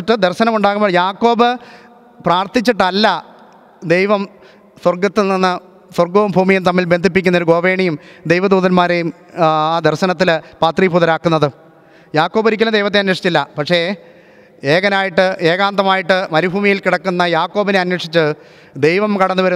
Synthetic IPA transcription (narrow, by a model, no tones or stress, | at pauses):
ʈːɨd̪erɕɐnɐmuɳɖaːɣumoɭjaːkːo̞ːbɨ | praːrt̪it͡ɕːiʈːɨɐlːɐ | d̪e̞jʋɐm | swɐrɡɐt̪ːɨninːɨ | swɐrɡoːumbʱuːmijumt̪ɐmːilbe̞nd̪ʱip̬ːikʲːunːɐoɾuɡo̞ːʋe̞ːɳijumd̪e̞jʋɐd̪uːðɐnmaːɾejum | aːd̪erɕɐnɐt̪̬ːilpaːt̪ribʰʱuðɐɾaːkːunːɐðɨ | jaːkːo̞ːboɾikʲːɐlɐmd̪ejʋɐt̪ːeɐnweʂi̥t͡ɕːilːɐpɐkʂe̞ | eːɣɐnaːjiʈːɨeːɣaːnd̪ɐmaːjiʈːɨmɐɾibʱuːmijilkiɽɐkːunːɐjaːkːoːbineɐnweʂit͡ɕːɨ | d̪e̞jʋɐmkɐɽɐnːɨʋɐɾu